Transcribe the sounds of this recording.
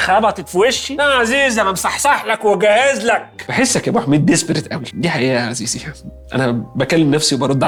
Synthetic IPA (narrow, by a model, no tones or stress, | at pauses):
xæbɑt̪ˤet̪fweʃːiʔæʕaziːzæmæmsˤɑħsˤɑħlækweɡæhezlæk̚beħesːækʔæbuːħmed̪ːespeɾet̪ʔæwæld̪iːħaʔiːʔæʕaziːzihæʔæ̰næbækælːemnæfsiwebɑɾˤod̪ːʕ